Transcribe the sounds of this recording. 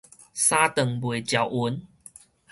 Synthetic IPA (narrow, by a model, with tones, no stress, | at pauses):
sa˦t̪ə˨˩ŋbwe˨˩t͡ɕja˨˩wʔu˧˦n